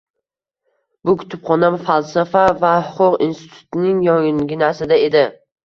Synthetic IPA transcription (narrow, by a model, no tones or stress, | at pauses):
bʊkʲʰʊ̥t̪ʰɪpχɒnamfalˠsafavahʊqʰʊqḭnst̪ɪt̪ʰʊ̥t̪nɪŋjɒŋŋɡʲɪnasɪd̪ae̞d̪ɪ